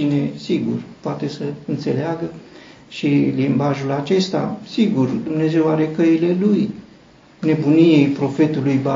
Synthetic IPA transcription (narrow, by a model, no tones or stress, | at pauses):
ine̞siɡṵrpoat̪e̞səɨnt̪se̞leaɡə | ʃilimbaʒulat͡ʃe̞st̪a̰siɡurd̪umne̞ze̞waɾe̞kəile̞luj | ne̞bunije̞jpɾo̞fe̞t̪ulujba